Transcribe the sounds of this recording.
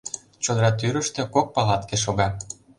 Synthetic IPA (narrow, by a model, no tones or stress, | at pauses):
t͡ɕod̪ɾɑt̪yɾə̆ʃt̪ĕkok̚pɑlɑt̪keʃoɣɑ